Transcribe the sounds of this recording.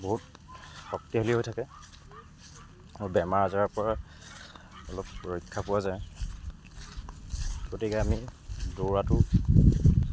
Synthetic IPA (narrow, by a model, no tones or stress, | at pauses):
boɦut | xɔk̚tiɦoliɦojtʰakɛ | mobɛmaɹazɔɹapɔɹa | ɔlɔpːoikʰːapʊwazaj | ɡ̥otikɛamidoɹatʊ